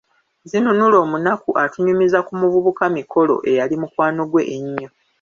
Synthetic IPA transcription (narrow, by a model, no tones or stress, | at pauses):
zinunulo̞ːmunakuʔatuɲumizakumuvuβukamikʰo̞lo̞̰ʔe̞jalimukwaːno̞ɡwe̞ʔːɲːo̞